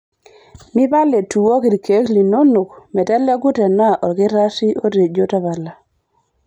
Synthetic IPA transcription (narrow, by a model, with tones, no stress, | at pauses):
mi˦ba˦le˨tu˨wo˦ki˨ɾke˨˦kli˨no˦no˨kmɛ˨tɛ˦lɛ˦ɡʊ˦tɛ˨na˦˨ʔɔ˨ɡɪ˦ɾa˦si˦ʔo˦ɾe˨d͡ʒo˦ta˦βa˨la˨